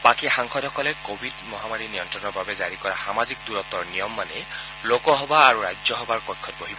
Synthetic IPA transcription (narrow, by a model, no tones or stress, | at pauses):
bakixaŋkʰɔdʱɔkɔlɛkobʱidmɔɦamaɹinijɔntɹɔnɔɹbabɛzaɹikɔɹaxamazik̚duɹɔt̪ɔɹnijɔmːanɛ | lokɔɦɔbaːɹuɹajd͡ʒɔɦɔbaɹkɔjkʰːɔtboɦibɔ